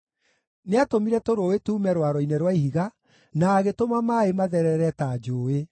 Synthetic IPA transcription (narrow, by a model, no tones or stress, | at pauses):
neatomiɾɛtoɾoetuːmɛɾwaɾɔinɛɾwaihiɣa | naːɣetomamaemaðɛɾɛɾɛtad͡ʒoːe